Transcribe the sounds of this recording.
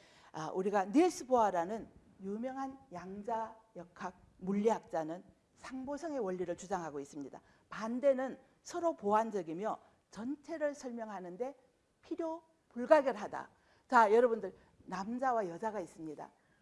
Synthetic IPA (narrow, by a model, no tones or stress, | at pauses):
aʔuɾiɡanesʰɯboɦaɾanɯn | jumjʌŋɦanjaŋd͡ʑajʌkʰak̚ | muʎːiɦak̚t͡ɕ͈anɯn | sʰaŋbosʰʌŋe̞wʌʎːiɾɯɭt͡ɕud͡ʑaŋɦaɡois͈ɯmɲida̰ | pande̞nɯn | sʰʌɾopoɦand͡ʑʌɡimjʌ | t͡ɕʌnt͡ɕʰe̞ɾɯɭsʰʌɭmjʌŋɦanɯnde̞ | pʰiɾjo | puɭɡaɡjʌɭɦada̰ | t͡ɕajʌɾʌbundɯɭ | namd͡ʑawajʌd͡ʑaɡais͈ɯmɲida̰